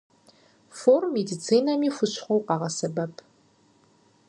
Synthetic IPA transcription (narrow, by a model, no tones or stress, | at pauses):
formmːedit͡sʰiːnɐmiːxʷʊɕʷʰʼχʷowqɑʁɐsɐbɐpʰ